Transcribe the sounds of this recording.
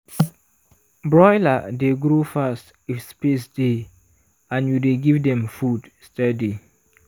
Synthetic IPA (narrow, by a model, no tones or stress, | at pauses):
bɹɔjladeɡɾofast | ifspesde | ãnjudeɡivdɛ̃mfudstɛdi